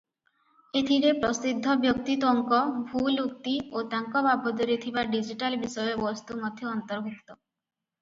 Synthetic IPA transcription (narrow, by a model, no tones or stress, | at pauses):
et̪ʰiɾepɾɔsid̪ʱːɔbjɔk̚t̪it̪ɔŋkɔbʱulukt̪iot̪aŋkɔbabʱɔd̪ɔɾit̪ʰibaɖid͡ʒiʈalbisɔjɔbɔst̪umɔd̪ʱjɔːnt̪ɔɾɔɦukt̪ɔ